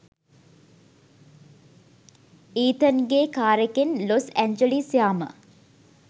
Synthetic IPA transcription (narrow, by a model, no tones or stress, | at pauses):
iːt̪ənɡeːkaːɾəkenlosæɲd͡ʒəlisjaːmə̰